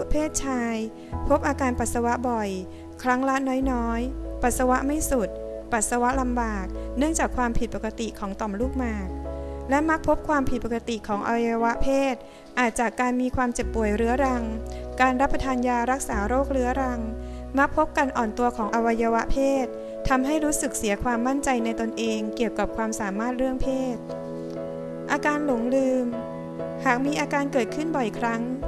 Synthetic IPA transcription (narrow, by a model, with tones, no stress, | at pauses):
pʰeː˥˩t̪̚t͡ɕʰaː˧j | pʰo˦˥p̚ʔaː˧kaː˧npa˨˩sa˧wa˦˥ʔbɔ˨˩j | kʰɾa˦˥ŋla˦˥t̪̚nɔː˦˥jnɔː˦˥jpa˨˩t̪̚sa˧wa˦˥ʔma˥˩jsu˨˩t̪̚pa˨˩t̪̚sa˧wa˦˥ʔla˧mbaː˨˩k̚nɯ˥˩əŋt͡ɕaː˨˩kʰwaː˧mpʰi˨˩t̪̚pːa˨˩ka˧t̪i˨˩kʰɔː˩˦ŋt̪ɔ˨˩mluː˥˩k̚maː˨˩k̚lɛ˦˥ʔma˦˥k̚pʰo˦˥p̚kʰwaː˧mpʰi˨˩pa˨˩ka˧t̪i˨˩kʰɔː˩˦ŋʔa̰˧wa˧ja˧wa˦˥ʔpʰeː˥˩t̪̚ | ʔaː˨˩t̪̚t͡ɕaː˨˩kːaː˧nmiː˧kʰwaː˧mt͡ɕe˨˩pːu˨˩əjɾɯ˦˥ɐɾa˧ŋkaː˧nɾa˦˥pːɾa˧t̪ʰaː˧njaː˧ɾa˦˥k̚saː˩˦ɾoː˥˩k̚ɾɯ˦˥ɐɾa˧ŋma˦˥k̚pʰo˦˥p̚ka˧nʔɔː˨˩nt̪u˧ɐkʰɔː˩˦ŋʔa˧wa˧jːa˧wa˦˥ʔpʰeː˥˩t̪̚ʰː | a˧mɦa˥˩jɾuː˦˥sɯ˨˩k̚si˩˦ɐkʰwaː˧mːa˥˩nt͡ɕa˧jna˧jt̪o˧nʔeː˧ŋki˨˩əwka˨˩p̚kʰwaː˧msaː˩˦maː˥˩t̪̚ɾɯ˥˩əŋpʰeː˥˩t̪̚ | ʔaː˧kaː˧nlo˨˩˦ŋlɯː˧m | haː˨˩k̚miː˧ʔaː˧kaː˧nkɤː˨˩t̪̚kʰɯ˥˩nbɔ˨˩jkʰɾa˦˥ŋ